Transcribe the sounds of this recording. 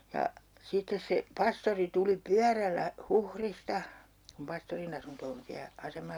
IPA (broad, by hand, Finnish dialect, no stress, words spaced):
jɑ sitːes se pɑstori tuli pyærælːæ huhristɑ kum pɑstorin ɑsunto on siæ ɑsemɑl